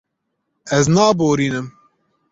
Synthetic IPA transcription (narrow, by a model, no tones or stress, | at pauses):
ɛznɑːboːɾiːnɨm